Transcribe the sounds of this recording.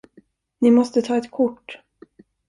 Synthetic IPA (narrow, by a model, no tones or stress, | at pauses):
nɪmɔst̪ət̪ʰɑːɛt̪kʰʊʈː